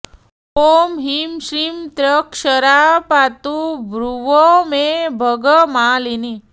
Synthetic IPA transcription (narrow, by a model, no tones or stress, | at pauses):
omɦimɕɾiːmt̪ɾəkʂəɾapat̪ubɾuʋomebʱəɡəmaːlini